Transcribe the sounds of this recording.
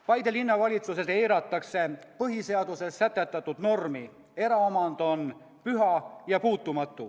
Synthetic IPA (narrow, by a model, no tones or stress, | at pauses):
pɑjd̪elinːɑvɑlʲit̪suset̪ejɾɑt̪ːˑɑkse̞pɤɦise̞ɑd̪̥use̞sːæt̪ˑːæt̪ːˑɑt̪ːˑud̪̥no̞rmi | e̞ɾɑomɑnd̪̥o̞n | pyɦɑjɑpuːt̪ːˑumɑt̪ːˑu